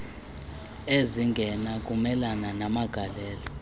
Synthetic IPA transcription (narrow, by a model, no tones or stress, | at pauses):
eziŋɡʱɛnakʼumɛlananamaɡ̥ʱalɛːlɔ